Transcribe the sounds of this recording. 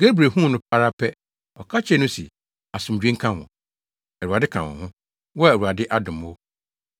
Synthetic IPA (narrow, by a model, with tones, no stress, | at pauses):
ɡ̥e˦bɾe˨ɦũ˦˨nʊ̃˦pʰa˦ɾa˦pʰɛ˦ | ɔ˨kʰa˦t͡ɕʰɛ˦nʊ̃˦si˨ | a˨sʊ̃˨md͡ʑᶣẽ˦ŋ̩˦kʰã˦wɔ̰̃˨ | ɛ˨wa˨dɪ˦kʰã̰˨wɔ̰̃˨hʊ̃˦ | wɔ˦˨wu˨a˨dɪ˦ʔa˦dʊ̃˨mo˦